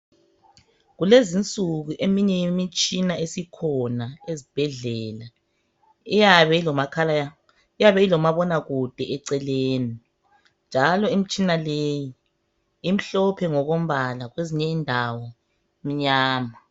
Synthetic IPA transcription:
ɣulezint͡sʼuɣuʔemiɲɛjimit͡ʃʼinaesikʰɔnaezib̥ʱɛɮɛːla | ijaβɛlɔmakʰala | ijaβɛilɔmaβɔnaɣud̥ʱɛʔɛǀɛleːni | nd͡ʒʱalɔimit͡ʃʼinaleji | im̩ɬɔpʰɛŋɔɣom̩βalaɣweziɲɛindʱawɔ | m̩ɲaːma

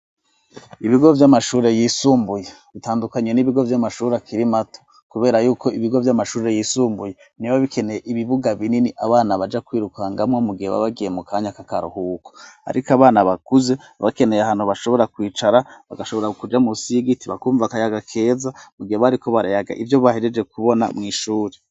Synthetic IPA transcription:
iβiɡo̞vjamaʃuːɾe̞jiːsuːmbuje | βitaːndukaɲe̞niβiɡo̞vjamaʃuːɾakiɾimatʰo̥ | kuβe̞ːɾajuːko̞iβiɡo̞vjamaʃuːɾe̞jiːsuːmbuje | niβaβikʰe̞nejeʔiβiβuɡaβininiʔaβaːnaβad͡ʒakwiːɾukaŋɡamŋomuɡiheβa̰βaɡije̞mukʰaːɲakakaɾṵhuːko̥a̰ɾikaβaːnaβakuze̞ | βake̞nejaɦaːn̥huβaʃo̞βo̞ɾakwiːt͡ʃaɾaβa̰ɡaʃoβo̞ɾakud͡ʒamusiɡitiβakuːɱvakajaɡakʰe̞ːzamuɡiheβaɾiko̞βaɾajaɡa̰ʔivjo̞βaheɾed͡ʒe̞kuβo̞na̰mŋiːʃuːɾe

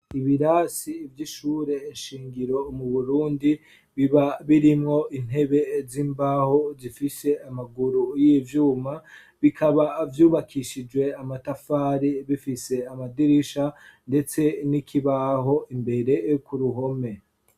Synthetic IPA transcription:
iβiɾaːsivjiʃuːɾe̞ːnʃiːŋɡiɾo̞muβuɾuːndi | βiβaβiɾimŋo̞ʔin̥he̞βe̞ziːmbaːho̞zifise̞amaɡuɾujivjuːma | βikʰaβavjuːβakʰiʃid͡ʒwe̞amatafaːɾiβifise̞amadiɾiʃande̞t͡se̞nikʰiβaɦo̞ʔimbe̞ɾe̞jokuɾuɦo̞me̞

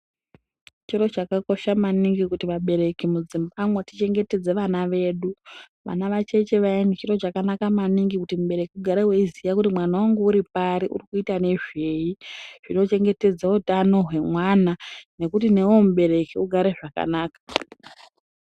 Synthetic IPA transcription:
t͡ʃiɾo̞t͡ʃakako̞ʃamaniŋɡikutiʋaɓe̞ɾe̞kimud͡zimbamwoti̥t͡ʃe̞ŋɡe̞te̞d͡ze̞ʋanaʋe̞ːɗu | ʋa̰naʋat͡ʃe̞t͡ʃe̞ʋainit͡ʃiro̞t͡ʃakanakamaniŋɡikutimuɓe̞ɾe̞kiuɡʱaɾeɦweizijakutimwanawaŋɡuuɾipaɾiʔṵrikuitane̞ʐe̞jiʐ̥ino̞t͡ʃe̞ŋɡe̞te̞d͡zautano̞ɦwe̞mwanane̞kutine̞womuɓe̞ɾe̞kiuɡʱaɾe̞ʐaka̰naːkḁ

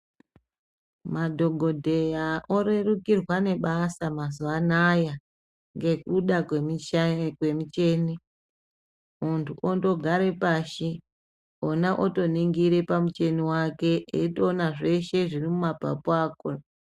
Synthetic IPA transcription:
madʱo̞ɡʱo̞dʱe̞jaʔo̞ɾerukirwane̞ɓasamazuʋanaja | ŋɡe̞kuɗakemikwe̞mut͡ʃe̞ːni | muntʰuʔondo̞ɡʱaɾe̞paʃi | onaʔoto̞niŋɡiɾe̞pamut͡ʃe̞niwake̞etonaʐe̞ʃe̞ʐirimumapa̰puaːko

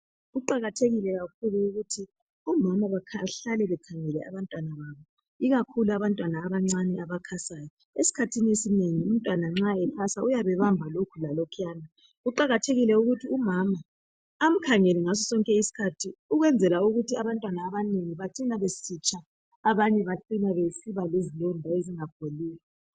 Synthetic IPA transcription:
ɣuǃaɣatʰeɣilɛɣakʰuluːɣutʰi | umamaβakʰaɬalɛβɛkʰaŋɛlɛa̰βantʼwanaβaβɔ | iɣakʰuluaβantʼwanaːβaŋ͡ǀanɛaβakʰasaːjɔ | esi̥kʰatʰiniesineŋium̩tʼwanaŋ͡ǁaɛkʰasaujaβɛβambʱalokʰulalɔkʰjaːna | uǃaɣatʰeɣilɛuɣutʰiumamaː | m̩kʰaŋɛlɛŋasɔsɔŋkʼɛisi̥kʰatʰiuɣwɛnd͡zʱɛlauɣutʰiaβantʼwanaːβaneŋiβaǀinaβesit͡ʃʰʼaː | βaɲɛβaǃinaβesiβalezilɔndʱaeziŋab̥ʱoliːlɛ

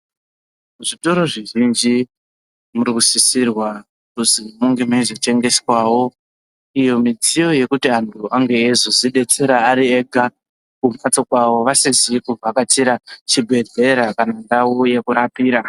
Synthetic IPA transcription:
muʐito̞ɾoʐiʒind͡ʒi | muɾikusisirwa | kusimuŋɡe̞meizit͡ʃe̞ŋɡe̞swawo̞ | ijo̞mid͡zijo̞je̞kutiantʰuaŋɡe̞ːzoziɗe̞t͡se̞ɾaːɾie̞ɡʱa | kumat͡sokwaʋo̞ʋasizikuvakatiɾat͡ʃibʱe̞ɮe̞ɾakanandauje̞kuɾapiːɾa

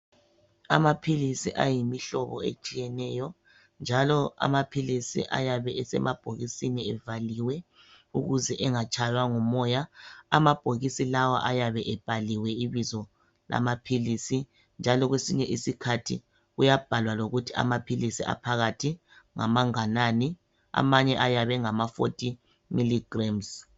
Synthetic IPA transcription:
amapʰilisiʔajimiɬɔβɔ̰ḛt͡ʃʼijɛnɛjɔ | nd͡ʒʱalɔa̰mapʰilisḭʔa̰jaβɛɛsɛ̰mab̥ʱoɣisiniɛvaliwɛ | uɣuzɛʔɛŋat͡ʃʼajwaŋumɔjaamab̥ʱoɣisilawa̰ʔajaβɛʔɛb̥ʱaliwɛiβizɔ | la̰mapʰilisi | nd͡ʒʱalɔɣwesiɲɛʔisikʰatʰḭ | ɣujab̥ʱalwaloɣutʰia̰mapʰilisḭa̰pʰaɣatʰi | ŋa̰maŋanani | a̰maɲɛʔajaβɛŋamafo̰tʼi | miliɡ̥rams

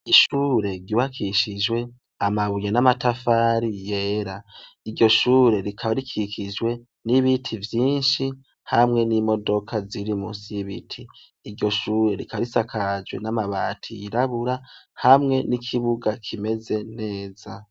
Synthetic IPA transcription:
iʃuːɾe̞ɾɟuhakʰiʃid͡ʒwe̞ | amaβuɲenamatafaːɾije̞ːɾaiɾɟo̞ʃuːɾe̞ɾikʰaβaɾikʰikʰid͡ʒwe̞ | niβitʰivjiːnʃi | hamŋe̞nimo̞do̞kʰaziɾimṵːsiiβitʰiː | ɾɟo̞ʃuːɾe̞ɾikaβaɾisakʰad͡ʒwe̞̰namaβaːtʰḭḭɾaβuɾahamŋe̞nikʰiβuɡakʰime̞ze̞ne̞ːz̥a

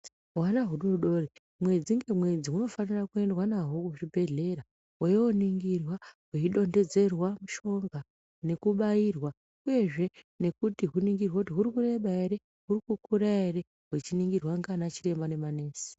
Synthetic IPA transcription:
wanaɦuɗoɗo̞ri | mwe̞d͡ziŋɡe̞mwe̞d͡ziuno̞fanirakue̞ndwanaɦo̞kuʐibʱe̞ɮe̞ɾa | wejewoniŋɡirwaweiɗo̞nde̞d͡ze̞rwamuʃo̞ŋɡa | ne̞kuɓajirwa | uje̞ʐe̞ | ne̞kutiɦuniŋɡirwautiɦurikure̞ɓae̞ɾe̞ | ɦurikukuɾaere̞ | wet͡ʃiniŋɡirwaŋɡanat͡ʃire̞mbane̞mane̞ːsi̥

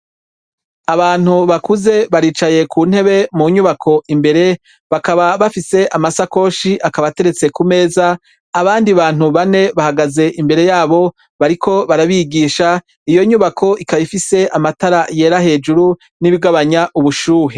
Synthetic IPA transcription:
aβaːn̥huβakuze̞βaɾiːt͡ʃaje̞kʰuːn̥he̞βe̞muɲuβakʰo̞ʔimbe̞ɾe̞ | βakaβaβafise̞ʔamasako̞ːʃiʔakaβate̞ɾe̞t͡se̞kume̞ːzaː | βaːndiβaːnuβane̞βahaɡaze̞ʔimbe̞ɾe̞jaːβo̞ | βaɾikʰo̞βaɾaβiɡiːʃa | ijo̞ɲuβakʰo̞ʔikaβifise̞amataɾaje̞ːɾahe̞ːd͡ʒuɾu | niβiɡaβaɲaʔuβuʃuːɦe

